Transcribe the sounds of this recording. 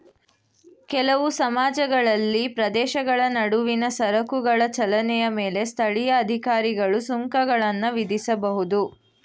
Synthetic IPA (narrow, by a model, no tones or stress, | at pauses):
kɛlɐʋusɐmaːd͡ʒɐɡɐɭɐlːipɾɐd̪ɛːʃɐɡɐɭɐnɐɽuʋinɐsɐɾɐkuɡɐɭɐt͡ʃɐlɐnɛjɐmeːle̞st̪ʰɐɭijɐːd̪ʱikaːɾiɡɐɭusuŋkɐɡɐɭɐnːɐʋid̪isɐbɐɦud̪u